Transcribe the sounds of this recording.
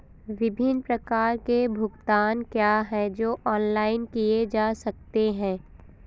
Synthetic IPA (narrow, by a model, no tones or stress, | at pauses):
ʋɪbʱɪnpɾɐkaːɾkebʱʊɡt̪aːnkjaːɦɛd͡ʒoːʔɔːnlaːɪnkijed͡ʒaːsɐk̚t̪eɦɛ̃ː